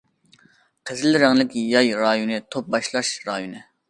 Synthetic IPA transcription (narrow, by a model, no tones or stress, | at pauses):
qʰezɪlɾæŋlɪkʲʰjɑjɾɑːjonɨt̪ʰop̚bɑʃlˠɑʃɾɑjonɨ